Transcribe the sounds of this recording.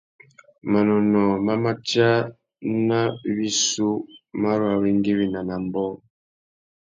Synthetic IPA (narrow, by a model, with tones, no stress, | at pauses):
ma˨nɔ˨nɔ˨ma˦ma˦t͡ʃa˦ | na˦bi˦su˦ma˦ɾwa˨βi˦ŋ˦ɡi˦βi˨na˨na˨m˦bɔ˦